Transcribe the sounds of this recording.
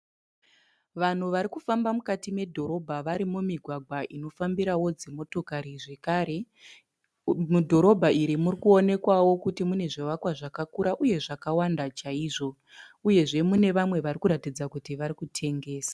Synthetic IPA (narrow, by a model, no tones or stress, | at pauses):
ʋan̤uʋaɾikufambamukatime̞dʱo̞ɾo̞bʱaʋaɾimumiɡʱwaɡʱwaʔino̞fambiɾawo̞d͡ze̞mo̞to̞kaɾiʐe̞kaɾe̞ | mudʱo̞ɾo̞bʱaiɾimurikuo̞ne̞kwawo̞kutimune̞ʐiʋakwaʐakakuɾaʔuje̞ʐakawandat͡ʃaiːʐo̞ | uje̞ʐe̞mune̞ʋamwe̞ʋarikuɾatid͡zakutiʋaɾikutʰe̞ŋɡe̞ːsḁ